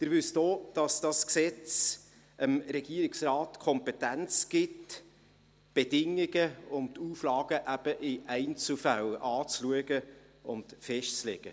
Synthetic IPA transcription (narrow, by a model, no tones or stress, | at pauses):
d̪̥ɪɾʋʏsd̥oːd̥ɑsd̥ɑsksɛt͡s | ʔəmɾɛɡ̥iəɾɪksrɑːtkʰɔmpɛtænt͡sɡ̥ɪt | b̥ed̥ɪŋɪɡəʊntʰuːflɑːɡ̥əʔæb̥əʔɪʔæɪnt͡sl̩fælɑːt͡sluəɡə | ʊntfɛʃtt͡slɛɡ̥ə